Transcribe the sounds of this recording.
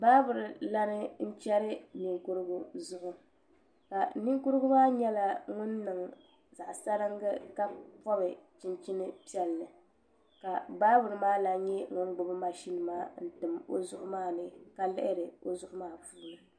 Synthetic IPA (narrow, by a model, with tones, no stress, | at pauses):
baː˦bʊ˨ɾɨ˨la˦nɨ˦n̩˦t͡ʃɛ˦ɾɨ˦ni˨ŋkʊ˦ɾɨ˦ɡʊ˦zʊ˦˨ʔʊ˦ | ka˨ni˦ŋkʊ˦ɾɨ˦ɡʊ˦maː˦ɲɛ˦la˦ŋʊ˦nːɨ˨ŋ˨ | za˨ʔsa˦ɾɨ˦ŋɡɨ˦ka˦pɔ˦bɨ˨t͡ʃɪ˨nt͡ʃi˦nɨ˦pi˦ɛ˨lnɨ˨ | ka˨baː˦bʊ˨ɾɨ˦maː˦la˨ɲɛ˦ŋʊ˦n˦ɡ͡bʊ˦bɨ˦ma˨ʃi˦nɨ˨maː˦n̩˦tɨ˨mo̰˦zʊ˦ʔʊ˦maː˦nɨ˦ka˦lɪ̰˦ʔɪ˦ɾɨ˨o˦zʊ˦ʔʊ˦maː˦fuː˦nɨ˨